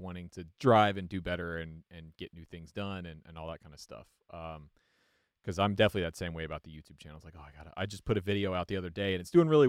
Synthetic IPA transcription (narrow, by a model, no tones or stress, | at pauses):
wɑ̃ɾ̃ɪ̃ŋtʰɨdɹaɪvɨ̃ndɨbɛɾə˞ɨ̃nɨ̃nɡ̥ɛʔⁿnʉθɪ̃ŋzdʌ̃nɨ̃nɨ̰̃nɔlˠðət̚kʰãɪ̃ndɨ̥stʌ̰f | ʔʌ̃m | kʰʌzãɪ̃mdɛfənɨtˡliðɨtsẽɪ̃mweɪɨbaʊt̪̚ðɨjʉtʰʉb̚t͡ʃʰæ̰̃nl̩ˠz̥laɪkoʊaɪɡɑɾɨ̰ʔa̰ɪd͡ʒʌspʰʊɾɨvɪɾioʊaʊt̪̚ðiʌðə˞deɪɨ̃ñɨtsd̥ʉɪ̃ŋɹɪlˠi